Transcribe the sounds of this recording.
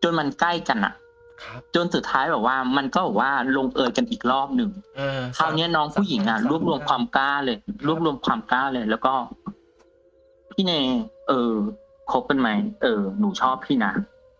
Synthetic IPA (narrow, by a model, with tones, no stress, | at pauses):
t͡ɕo˧jma˧nkla˥˩jka˧nːʔa̰˨˩ | t͡ɕo˧nsu˨˩t̪ʰːaː˦˥jbɛː˨˩p̚waː˥˩ma˧nkɔː˥˩bɛː˨˩waː˥˩lo˧ŋʔɤː˧jka˧nʔiː˨˩k̚ɾɔː˥˩p̚nɯ˧ŋk̪ʰaː˧wni˦˥ɐnɔː˦˥ŋpʰu˥˩˨ji˩˦ŋʔa˧˩ɾu˥˩əp̚ɾu˧əmkʰwaː˧mkaː˥˩lɤː˧jlu˥˩əp̚lu˧əmkʰwaː˧mklaː˥˩lɤː˧jlɛː˦˥wkɔː˥˩ | pʰiː˥˩neː˧˩ʔɤː˧˩ | kʰo˦˥p̚ka˧nma˦˥jʔɤː˧˩nuː˨˩˦t͡ɕʰɔː˥˩p̚ʰiː˥˩na˦˥